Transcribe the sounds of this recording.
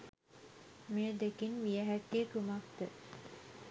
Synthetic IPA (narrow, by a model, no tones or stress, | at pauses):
mijəd̪ekinʋijəɦækːeːk̪umak̚t̪ə